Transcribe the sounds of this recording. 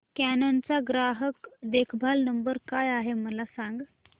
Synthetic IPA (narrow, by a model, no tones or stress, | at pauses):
kænant͡saɡɾaɦəkd̪ekʰbʱalnəmbəɾkajaɦeməlasãŋɡ